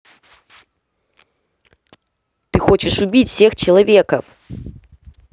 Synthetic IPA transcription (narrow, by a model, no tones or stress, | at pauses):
t̪ɨxot͡ɕɪʂʊbʲit͡sʲfsʲext͡ɕɪlˠavʲekɐf